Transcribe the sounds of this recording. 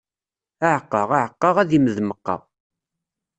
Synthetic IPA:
aʕqːɑʁaʕəqːɑʁæðiməðməqːɑ̰

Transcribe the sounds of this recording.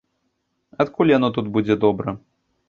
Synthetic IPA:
ɐt̪kulʲjanɔt̪̬ud̪bud͡zʲɛd̪ɔbɾɐ

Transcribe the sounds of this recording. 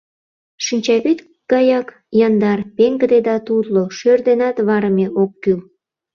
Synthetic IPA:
ʃinʲt͡ɕɑβit̪ | ɡɑjɑk | jɑnd̪ɑrpeŋɡəd̪ed̪ɑt̪ud̪loʃørd̪enɑt̪βɑɾəmeʔokːyl

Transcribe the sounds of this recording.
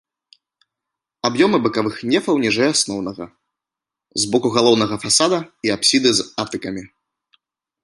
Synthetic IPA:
abjɔmɨbɨkavɨxnʲɛfɐwnʲiʐɛjasnɔwn̪ɐɣɐ̰ | zbɔkuɣalˠɔwnɐɣɐfasad̪ɐiapsʲid̪ɨzat̪ɨkɐmʲi

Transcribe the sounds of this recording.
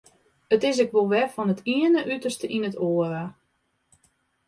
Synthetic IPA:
ətɪs̬ɛkʋolˠʋɛfɔnətʰiənəʔytərstəʔinətʰoːəɾa

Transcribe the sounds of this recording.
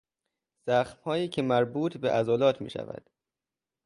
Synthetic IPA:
z̥æxmhɒːjiːcʰemæɾbuːt̪ʰbeʔæzɒːlɒːt̪ʰmḭːʃæ̰væ̰d̪̥

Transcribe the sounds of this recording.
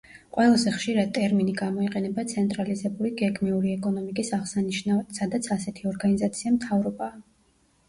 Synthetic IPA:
qʼwɛlˠazɛχʃiɾad̪̚t̪ʼɛɾminiɡamɔiqʼɛnɛbat̪sʰɛnt̪ʼɾalizɛbuliɡɛɡmiuɾiɛkʼɔnɔmikʼisaʁsaniʃnavɛt̪sad̪at̪sʰasɛt̪ʰiɔɾɡanizat̪sʰiamt̪ʰavɾɔbaː

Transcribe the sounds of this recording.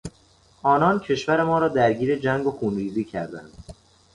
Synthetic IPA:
ʔɒːnɒːncʰe̞ʃvæɾe̞mɒːɾɒːd̪æɾɟiːɾe̞d͡ʒæŋɡoxuːnɾiːziːcʰæɾd̪æ̰nd̪̥

